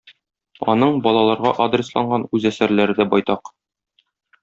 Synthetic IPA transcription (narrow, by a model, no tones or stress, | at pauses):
ɒ̰nɤɴbɒlˠɑlˠɑɾʁɑʔad̪rʲɪslˠɑɴɢɑnʉzæsæɾlæɾɘ̆d̪æbɒjt̪ɑq